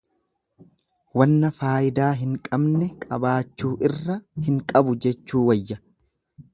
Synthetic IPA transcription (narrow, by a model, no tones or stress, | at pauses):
wɐnːɐfaːjɪd̪aːɦɪŋkʼɐbnɛkʼɐbaːt͡ʃːuːʔɪrːɐhɪŋkʼɐbʊd͡ʒɛt͡ʃːuːwɐjːɐ